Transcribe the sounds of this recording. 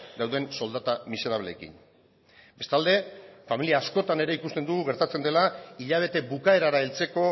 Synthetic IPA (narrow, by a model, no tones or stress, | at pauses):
d̪awðe̞nso̞ld̪at̪amise̞ɾaβle̞̰kḭn | be̞st̪ald̪e̞familiaːsko̞t̪ane̞ɾe̞ikust̪e̞nd̪uɣuɣe̞ɾt̪at͡se̞nd̪e̞laiʎaβ̞e̞t̪e̞bukae̞ɾaɾaelt͡se̞ko̞